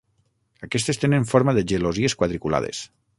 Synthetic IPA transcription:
akɛst̪est̪enẽɱfoɾmaðeʒelozieskwaðɾikula̰ðḛs

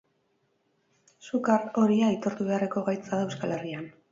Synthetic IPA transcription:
sukaɾo̞ɾiait̪o̞ɾt̪uβe̞areko̞ɣajt͡saðewskale̞rian

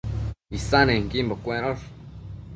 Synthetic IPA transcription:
isanẽŋkimbokʷeɾoɾ

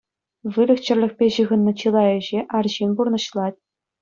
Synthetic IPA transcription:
ʋɯlʲɘ̆xt͡ɕɘ̆rʲlʲɘ̆xʲpʲeʑɯɣɤ̆nːɤ̆t͡ɕɯlˠɑjɘ̆ʑeʔɑrʑinʲburnɤ̆ɕlˠɑt̚ʲ

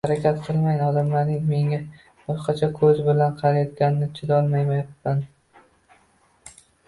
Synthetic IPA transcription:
haɾakʲʰat̪qʰɨlˠmajnɒd̪amlaɾnɪŋme̞ŋa | b̥ɒʃqɑt͡ʃʰɒkʰɵzbɪlanqʰɑɾajɒt̪̚ɡʲanɪnɪt͡ʃʰɪd̪ɒlˠmajmajapːan

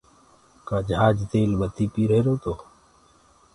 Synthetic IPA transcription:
kaːd͡ʒaːd͡ʒt̪eːlbət̪iːpiːɾeeɾoːt̪oː

